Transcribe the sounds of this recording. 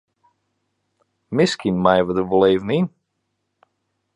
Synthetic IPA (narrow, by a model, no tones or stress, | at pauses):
mɪskʰinmajvəd̪əvəleːvnin